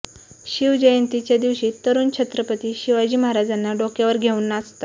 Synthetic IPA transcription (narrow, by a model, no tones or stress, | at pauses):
ɕiʋd͡ʑəjənt̪it͡ɕjad̪iʋɕiːt̪ːəɾuːnt͡ɕʰət̪ɾəpət̪iːɕiʋad͡ʑiːməɦaɾad͡zanːaɖokjaʋəɾɡʱeuːnːast̪a